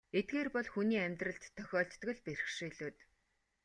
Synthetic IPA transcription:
et̪̚ɡeːrpɔɮxuniːæmʲt̪rə̆ɬt̪ʰːœxʲɔːɬt̪ːɡɵ̆ɮper̆xʃiːɮuːt̪

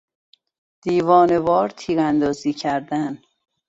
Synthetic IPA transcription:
d̪̥iːvɒːne̞vɒːɾt̪ʰiːɣænd̪ɒːziːcʰæɾd̪æn

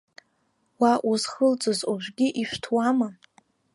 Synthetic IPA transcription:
waʔuzχəlt͡sʼozuʒʷɡʲiʔiʃʷᶣtʰwama

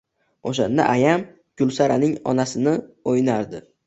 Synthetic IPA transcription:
oʃa̰nd̪a̰ʔajam | ɡ̥ʊlˠsaɾanɪŋɒ̰nasɪnɪojnaɾd̪ɪ

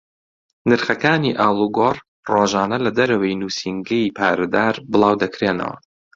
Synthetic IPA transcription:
nɨɾχɐkaːniʔaːlˠuɡoːr | roːʒaːnɐlɐd̪ɐɾɐwɐjnuːsiŋɡɐjipʰaːɾɐd̪aːɾbɨlˠɑːwd̪ɐkɾeːnɐ̰wɐ̰

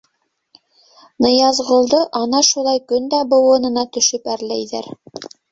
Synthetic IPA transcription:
nɤ̆jɑzʁŏlˠd̪ɤʔɑnɑʃulˠɑjkɵnd̪æbɤ̆wɤ̆nɤ̆nɑt̪ɵ̆ʃɵpæɾlæjðæɾ

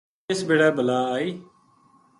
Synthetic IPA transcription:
esbeːɽaːbəlaːaːiː

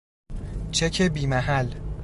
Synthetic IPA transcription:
t͡ʃʰecʰebiːmæɦæl

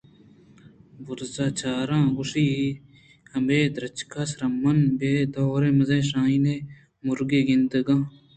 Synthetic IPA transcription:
bʊɾzaːt͡ʃʰaːɾãːɡʊʂiːi | hɐmbeːd̪ɾɐt͡ʃkʰaːsɾɐmːɐnbeːd̪oːɾẽːmɐzẽːʃ̬ãːine | mʊɾɡeːɡɪnd̪əɡãː

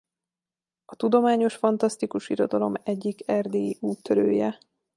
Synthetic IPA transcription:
ɒt̪ud̪o̞maːɲo̞ʃfɒnt̪ɒst̪ikuʃiɾo̞d̪ɒlo̞mɛɟːikɛrd̪eːiuːt̪ːøɾøːjɛ

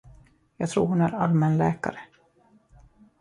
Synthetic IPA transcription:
jɑːɡt̪ʰɾṵːɾhʊnæɾalmɛnlɛːka̰ɾə

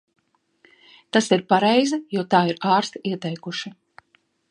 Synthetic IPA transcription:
t̪asiɾpaɾɛjzajuɔt̪aːiɾaːɾst̪iɛt̪ɛjkuʃi

